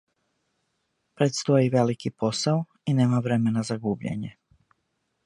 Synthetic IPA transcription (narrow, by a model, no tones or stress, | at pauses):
pɾet̪st̪o̞jiʋe̞likipo̞sao | ineːmaʋɾe̞me̞nazaɡuːbʎḛɲe